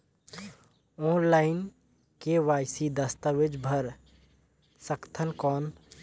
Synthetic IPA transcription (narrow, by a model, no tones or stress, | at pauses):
ɔːnlaːɪn | keʋaːjsid̪ɐst̪aʋɪd͡ʒbʱɐɾ | səkt̪ʰənkɔːn